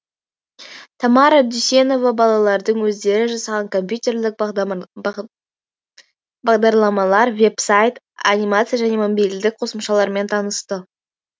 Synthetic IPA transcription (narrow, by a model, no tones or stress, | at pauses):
t̪ʰɑmɑɾad̪yse̞no̞vɑbɑlˠɑlˠɑɾd̪əɴwɵzd̪e̞ɾɪʒɑsɑʁɑŋkʰo̞mpʲjut̪e̞rlɪk̚ | bɑʁd̪ɑɾlˠɑmɑlˠɑɾve̞psajt̪ | a̰nʲijmat̪sɨjaʒæne̞momobijld̪ɪk̚qʰo̞səmʃɑlˠɑɾme̞nt̪ʰɑnəst̪ə